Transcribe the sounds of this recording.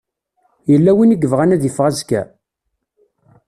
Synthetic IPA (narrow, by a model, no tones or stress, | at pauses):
jəlːæwiniɡəvʁænæðjəfʁæzkæ̰